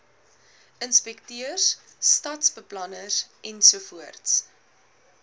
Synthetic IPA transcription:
ənspɛktyərs | stɐtsbəplɐnəsʔɛnsuəfuərts

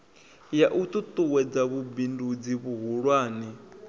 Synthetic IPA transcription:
jaʔut̪ʼut̪ʼuwɛd͡zaβubindud͡ziβuɦuɺwaːni

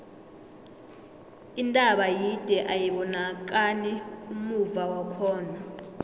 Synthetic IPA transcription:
intʼaɓajid̥ʱɛʔajiɓɔnak̬ʼaniumuvawakʰɔːna

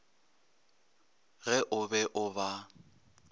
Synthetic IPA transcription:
ɣɛʔʊbɛʔʊba

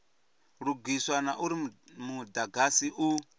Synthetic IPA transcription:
ɺuɡʱiswanaʔuɾimudaɡʱasiʔu

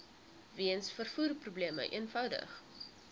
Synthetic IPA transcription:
viənsfərfuːrprubliəmə̰ʔḭənfɐwdə̰χ

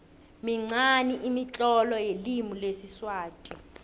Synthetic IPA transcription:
miŋ͡ǀaniʔimit͡ɬʼɔlɔjelimulesiswaːtʼi

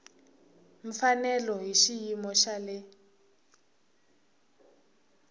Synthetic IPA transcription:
ɱ̩fanɛlɔɦiʃijimɔʃalɛ

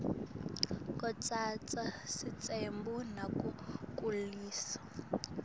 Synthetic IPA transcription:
kʼɔt͡sʼat͡sʼasit͡sʼembunakukʼuliːsḁ

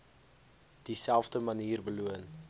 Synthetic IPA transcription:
d̥isælˠvdəməniːrbəluən

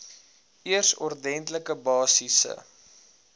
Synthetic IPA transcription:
iərsɔ̰rdɛntləkəbɑːsisə̰

